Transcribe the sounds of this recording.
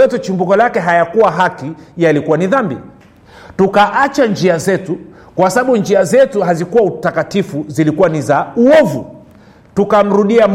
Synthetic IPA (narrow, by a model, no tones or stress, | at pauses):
ɔtut͡ʃimbukɔlakɛɦajakuwaɦakijalikuwaniðambḭ | tukaʔat͡ʃand͡ʒiazɛtu | kwasaɓaɓund͡ʒiazɛtuɦazikuwautakatifuzilikuwanizauɔvṵ | tukam̩ɾuɗiam